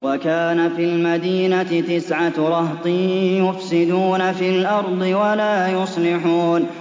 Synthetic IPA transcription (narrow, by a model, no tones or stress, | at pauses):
wakaːnafiːlmad̪iːnat̪ɪt̪ɪsʕaɾˤɑht̪ˤiːjʊfsɪd̪uːnafiːlʔɑɾˤd̪ˤɨwalaːjʊsˤlɪħuːn